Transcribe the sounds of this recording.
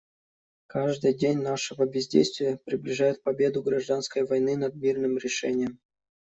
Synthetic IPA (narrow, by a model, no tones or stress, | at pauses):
kaʐd̪ɨjdʲenʲnaʂɨvəbʲɪzʲdʲḛjst̪vʲɪjəpɾʲɪblʲɪʐajʊt̪̚pɐbʲed̪ʊɡɾaʐd̪anskəjvɐjnɨnɐd̪̚mʲirnɨmɾʲɪʂɛ̰nʲɪjəm